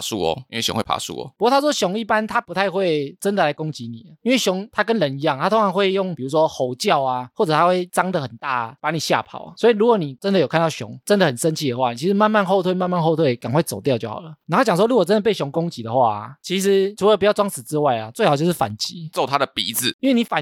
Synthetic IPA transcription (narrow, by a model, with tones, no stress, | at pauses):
su˥ɔ̰˨˧i˥nwe˥˩ɕɔ̰˧˦ŋxwe˥˩pʰa̰˨˩sṵ˥ɔ̰˨˦u˧ko˥˩a˥ʂwɔ˥ɕɔ˨˧˥ŋi˥˩pa˦nt̪ʰa˦pu˧˥t̪ʰa˥˧ɪxwe˥˨ɪt͡sə˦nd̪ə˨la˨˧ɪkʊ˥ŋt͡ɕi˨˦ni˨˩ə˩i˥nwe˥˩ɕjʊ˧˦ŋt̪ʰa˥kə˦nɻə˧˦ni˧˥jɑ˥˨ŋt̪ʰa˦t̪ʰo˥ŋʰɑ˧˦ŋxwe˥˧ɪjɔ˥˩ŋpi˨˩ɻu˧˥s̬wɔ˦xo˨˩ʊt͡ɕjɑ˥˨ʊa˨xwɔ˥˩t͡sɤ˨˩t̪ʰa˦˥xwe˥˩ɪt͡sɑ˥ŋd̪ə˨xə˨˩nt̪a̰˥˩pa˧˦ni˨˩ɕja̰˥˨pʰɑ̰˨˩ʊ˩swɔ˧˥i˨˩ɻu˧˥kwɔ˧˦ni˨˩t͡sə˦nd̪ə˨jo˨˩kʰa˥˧nt̪ɑ˥˩ɕjɔ̰˧˦ŋt͡sə˦nd̪ə˨˩xə˨˩nsʂə˦nt͡ɕʰi˥d̪ə˩xwa˥˩ni˨t͡ɕʰi˧˥ʂ̩˧˥ma˥˧nma˥˧nxo˥˧ʊt̪ʰwe˥˧ɪma˥˧nma˥˧nxo˥˧ʊt̪ʰwe˥˩ɪka˨˩nxwe˥˧ɪt͡so˨˩ʊt̪jʊt͡ɕjo˥˩ʊxɑ̰˨˩ʊlə˦ni˨˩˥t͡ɕjɑ˨ŋs̬wɔ˥lu˥˩kwɔ˨˩t͡sə˦nd̪ə˨pe˥˩ɪɕjɔ˧˥ŋkʊ˦˥ŋt͡ɕi˨˥d̪ə˨xwa̰˥˩t͡ɕʰi˧˥ʂ̬ɻ̩˧˦ʈ͡ʂʰu˨˦lə˧p̬u˨t͡ɕjɑ˥˧ʊʈ͡ʂwɑ˥ŋsɹ̩˨˩t͡sɹ̩˧˦wa˥˩ɪla̰˨˩t͡swe˥˩ɪxɑ˨˩t͡ɕjʊ˥ʂ̩˥˩fa̰˨˩nt͡ɕi˨˦t͡so˥˩ʊt̪ʰa˦d̪ə˨pḭ˨˥d͡zɹ̩˨i˥nwe˥˩ɪni˨˦fa˨˦n